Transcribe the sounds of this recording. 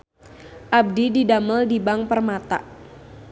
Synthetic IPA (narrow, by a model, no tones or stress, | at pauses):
ʔab̚dididaməldibaŋpərmat̪a̰ʔ